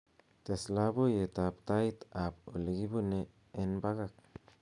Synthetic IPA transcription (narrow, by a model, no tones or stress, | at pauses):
t̪eslabojet̪ap̚t̪ajt̪apoleɡibuneː | nbaɡak̚